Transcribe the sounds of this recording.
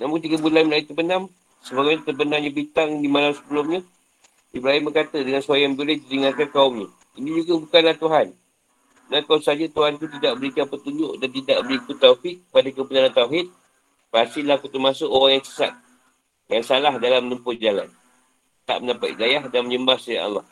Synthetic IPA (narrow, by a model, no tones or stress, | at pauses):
namuŋt̪̬iɡəbulanməlait̪ərbənam | səbaɡaɲat̪ərbənaŋɲabit̪aŋdimalamsə̥bəlumɲə | ibɾaɦimbəkat̪ədəŋansuajaŋbəlɪt̪iɾiŋatkankaʊmɲa | inid͡ʒuɡabukanlaht̪uɦan | ənakaumsad͡ʒat̪uɦant̪ut̪idaʔbəɾikanpət̪uɲd͡ʒʊʔdant̪idaʔbəɾikʊt̪ːaufɪk̪̚ːəpadakəpənalant̪auɦɪd̪̚ | bəasɪlahkut̪umasoʔoɣaŋjaŋsə̥sa̰t̪̚ | jaŋsalahdalamnəmpʊtd͡ʒala̰n | t̪a̰ʔməndapat̪̚ḭdajahdanməɲəmbahsaja̰ʔa̰lːɑ̰h